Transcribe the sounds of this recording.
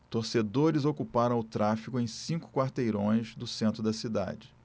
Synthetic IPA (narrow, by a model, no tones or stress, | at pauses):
t̪oɾsed̪oɾɪzokupaɾɐ̃w̃ʊt̪ɾafikʊẽj̃sĩŋkʊ̥kwaɾt̪ejɾõj̃zd̪ʊsẽnt̪ɾʊd̪ɐsid̪a̰d͡ʒɪ